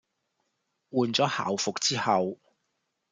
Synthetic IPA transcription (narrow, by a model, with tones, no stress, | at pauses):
wuː˨˧nt͡sɔː˨˥ha̰ː˨wfʊ˨k̚t͡siː˥hɐ˨w